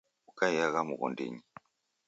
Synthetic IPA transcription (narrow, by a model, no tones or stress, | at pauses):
ukaijaɣamṵɣɔ̰ndḛɲi